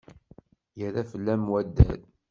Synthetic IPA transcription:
jəɾæfəlːæmwæd̪ːæ̰l

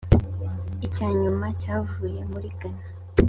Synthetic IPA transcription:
icaːɲumacaːvuːje̞muɾiɡana

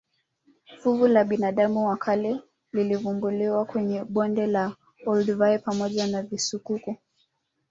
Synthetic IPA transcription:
fuvulaɓinaɗamuwakʰalɛ | lilivumbuliwakwɛɲɛɓɔndɛla | ɔldvajpamɔʄanavisukuku

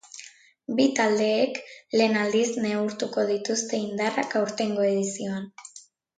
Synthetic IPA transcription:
bit̪ald̪e̞ːkle̞ːnald̪izne̞uɾt̪uko̞ð̞it̪ust̪e̞ind̪arakawɾt̪e̞ŋɡo̞e̞ðisio̞an

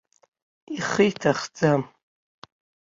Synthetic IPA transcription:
iχijtʰaχd͡zam

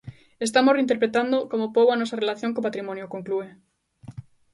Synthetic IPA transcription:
est̪amoreint̪eɾpɾet̪and̪okomopoβoanosarelaθjoŋkopat̪ɾimõnjokoŋklue

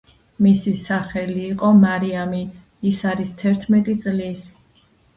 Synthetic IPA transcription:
misisaχɛliːqʼɔmaɾiamiː | saɾist̪ʰɛɾt̪ʰmɛt̪ʼit̪sʼlis

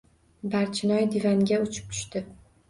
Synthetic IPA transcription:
baɾt͡ʃʰɪnɒjd̪ɪvaŋɡʲaʊt͡ʃʰɪ̥p̚t̪ʰʊ̥ʃt̪ɪ

